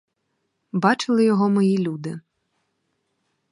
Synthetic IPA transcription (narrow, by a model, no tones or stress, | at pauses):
bɑt͡ʃɪlˠɪjɔɦɔmɔjilʲud̪ɪ